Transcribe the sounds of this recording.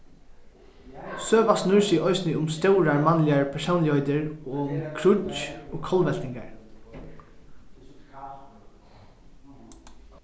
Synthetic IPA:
søːʋasnʊɹsɪʔɔʏsnɪʊmst̪ɛʊɹaɹmɑnlɪaɹpʰɛsəʊnlɪɔʏd̪əɹoːʊmkʰɾʊoːkʰɔlʋɛl̥t̪ɪŋɡa̰ɹ

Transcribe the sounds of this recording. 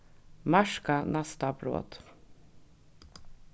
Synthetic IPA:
mæʃkɑnæst̪ɑbɾo̰ːd̪̥

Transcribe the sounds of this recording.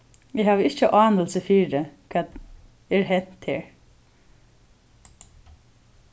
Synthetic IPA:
ɪhaːʋɪht͡ʃəʔɑːnəlsəfiːɾəkʰɛːt̪ | ɛɹɦɛn̥t̪heːɹ

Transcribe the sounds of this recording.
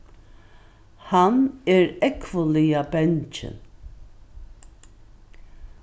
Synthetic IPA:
hanɛɾɛkʰvəlɪjabɛnt͡ʃɪ̰n

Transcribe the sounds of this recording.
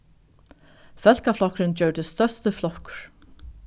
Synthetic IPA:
fɛlkaflɔhkɾɪnt͡ɕœwɾd̪ɪst̪œ̥st̪ʏflɔhkɾ̥

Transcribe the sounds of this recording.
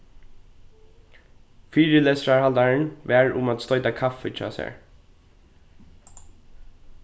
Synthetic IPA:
fiːɹəleːsɾaɹhald̪aɹənʋæːɹʊmat̪st̪ɔʏt̪akʰafɪt͡ʃʰɑ̰ːsɛ̰ɹ

